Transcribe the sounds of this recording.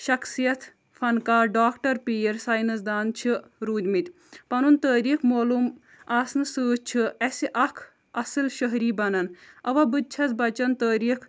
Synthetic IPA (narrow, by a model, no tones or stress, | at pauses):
ʃɐksijɐt̪ʰ | fʰɐnkaːɾɖaːkʈɐɾpiːɾsaːjnɐsd̪aːnt͡ʃʰiɾuːd̪mit̪ʲ | pɐnunt̪əːɾiːkʰmoːlum | aːsnɨsɨːt͡ʃʰiɐsiʔɐkʰ | ɐsɨlʃəɦɾiːbɐnɐnɐʋɐbɨt͡ʃʰɐzbɐt͡ʃɐnt̪əːɾiːkʰ